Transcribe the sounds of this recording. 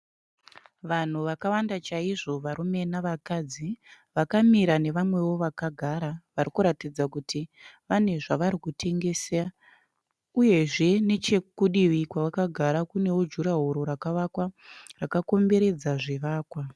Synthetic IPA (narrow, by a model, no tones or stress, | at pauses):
ʋan̤uʋakawandat͡ʃaiʐo̞ʋaɾume̞naʋakad͡zi | ʋakamiɾane̞ʋamwe̞wo̞ʋakaɡʱaɾaʋaɾikuɾatid͡zakutʰiʋane̞ʐaʋaɾikutʰe̞ŋɡe̞sea | uje̞ʐe̞ne̞t͡ʃekuɗiʋikwaʋakaɡʱaɾakune̞wod͡ʒuɾaɦoɾo̞ɾakaʋakwarakako̞mbe̞ɾe̞d͡zaʐiʋaːkwa